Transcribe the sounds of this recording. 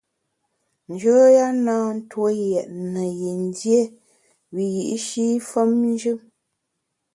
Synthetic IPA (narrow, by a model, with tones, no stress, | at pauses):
n̩˨d͡ʒəː˦ja˦naː˦n̩˦two˦jɛ˨ʔnə˨ji˨n˦dje˦ | wi˨ji˨ʔi˦ʃi˦fə˦mn˦d͡ʒʉ˦m